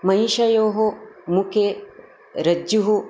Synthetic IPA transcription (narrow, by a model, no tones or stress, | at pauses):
mɐiʃɐjoːɦomukʰe | ɾɐd͡ʒuɦu